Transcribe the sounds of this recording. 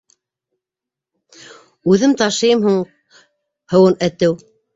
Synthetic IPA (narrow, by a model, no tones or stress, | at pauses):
ʉðɘmt̪ɑʃɤjɤmhuɴ | hɤ̆wɤnæt̪ɘw